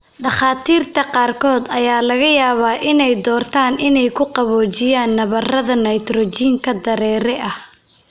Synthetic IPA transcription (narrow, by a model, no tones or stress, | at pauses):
ɖɑχɑːt̪ʰiːrt̪ʰɐqɑːrkʰɔːd̪ɐjaːlɐɣɐjaːβaːʔɪnɛjd̪ɔːrt̪ʰaːnɪnɛjkʰʊqɑβɔːt͡ʃɪjaːnːɐβɐrɐðɐnɐjt̪rɔt͡ʃiːŋkʰɐd̪ɐɾɛːɾɛʔɐh